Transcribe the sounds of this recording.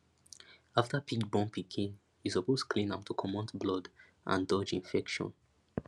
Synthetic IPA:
aftəpit͡ʃbɔ̃npikʰĩn | hisɔpostkʰlĩmap̚tʰukʰɔmɔ̃ntblɔd | ʔã̰ndɔd͡ʒĩnfɛkʃɔ̰̃n

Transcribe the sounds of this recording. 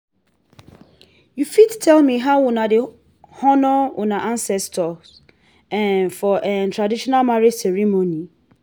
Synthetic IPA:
jufidtʰɛlmĩɦaʊnãde | hɔnɔwʔʊnãʔãnsɛstʰɔs | ɛ̃nfɔʔɛntʰɹadiʃɔnalmaɹed͡ʒsɛɹimoni

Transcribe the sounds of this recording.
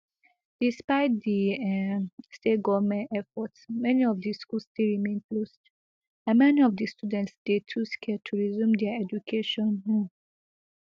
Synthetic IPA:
d̥ispaɪt̚d̪i | steɡɔvmɛ̃ntɛfɔtsmɛniɔvdiskulsstilɹimẽnplost | æ̃nmɛniɔvdistudɛ̃ntsd̪etʰuskʰɛtʰuɹizũmd̪ɛɛd͡ʒukʰeʃɔ̃nɦu

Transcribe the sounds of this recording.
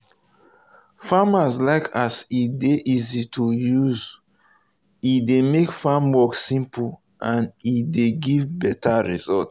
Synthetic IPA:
famazlaɪkʰasideʔizitʰujuz | idemekfamwɔksĩmpu | ʔãnideɡivbɛtʰaɹḭzɔt

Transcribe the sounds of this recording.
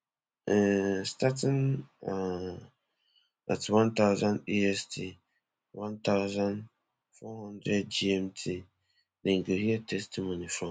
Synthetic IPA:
ɛstʰatʰɪ̃na | a̰tʰɪwãntʰaʊzãniɛstʰi | wãntʰaʊzãn | fɔhãndɾɛd̚d͡ʒiɛmtʰɪ | nɪ̃ŋ̩kehiɛtʰɛstʰimõnĩfɾɔ̃

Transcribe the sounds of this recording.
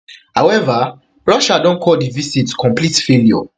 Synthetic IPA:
hawɛva | ɹɔʃadɔ̃nkʰɔdivisitkʰɔ̃mplitfeliɔ̰

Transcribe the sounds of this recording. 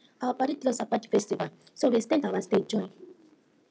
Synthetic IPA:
awapaɾitilɔsapati̥fɛstiva | sobestɛ̃ntawasted͡ʒɔ̃j̃n

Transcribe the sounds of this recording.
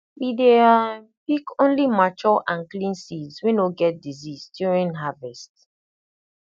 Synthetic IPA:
widea | bikõnlimat͡ʃɔlʔãnklĩnsidzwɛ̃noɡɛt̚dizizdjuɹĩnɦavɛst

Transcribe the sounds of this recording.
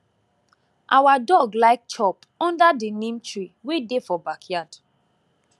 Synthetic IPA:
ʔawadɔɡlaɪk̚t͡ʃɔp | ɔ̃ndadinĩmtɹiwedefɔbakʰjad̥

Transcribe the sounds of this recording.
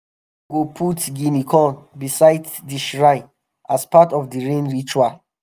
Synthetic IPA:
ɡopʰutɡinikʰɔ̃nbisajddiʃɹaɪ | aspatɔfdiɹẽnɹit͡ʃual

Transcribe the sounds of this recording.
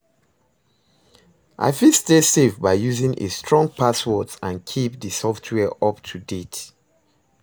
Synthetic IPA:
ʔa̰ɪfilstesefbaɪjuzĩŋʔḛstʰɹɔ̃ŋ̚pʰaswɔtãnkʰip̚dəsɔftʰwɛʔɔp̚tʰudet

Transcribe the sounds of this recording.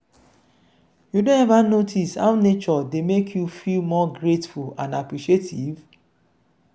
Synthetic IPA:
judõnɛvanotʰisha̰ʊnet͡ʃɔdemekʰjufilmɔɡɹetfulã̰napɹiʃetʰiv

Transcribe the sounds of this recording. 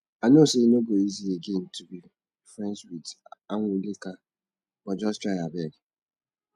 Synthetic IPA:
anoseinoɡoizieɡen̩tubi | fɾɛ̃nswitaŋʷulika | wɔd͡ʒɔst͡ʃaabɛɡɪ

